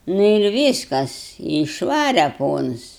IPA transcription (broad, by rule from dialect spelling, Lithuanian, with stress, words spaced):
ˈnʊ ɪr ˈʋʲiːskɐs ɪ ɪʃˈʋɑːrʲɛ ˈpoːns